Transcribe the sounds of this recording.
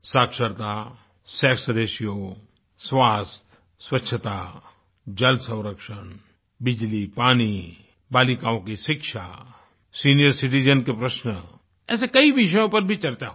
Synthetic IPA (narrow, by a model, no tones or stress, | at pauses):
saːkʃəɾt̪a | sɛːksd̪eːʃijo | sʋaːst̪ʰ | sʋətːʃʰət̪a | d͡ʒəlsə̃w̃ɾəkʃən | bɪd͡ʒlipaːni | baːlikãːõkiʃɪkʃa | siːnijəɾsɪʈ̬id͡ʒənkepɾəʃnə | ɛ̰ːs̬ekɐiʋɪʃ̬əjõpɐɾbʱit͡ʃɐɾt͡ʃaɦ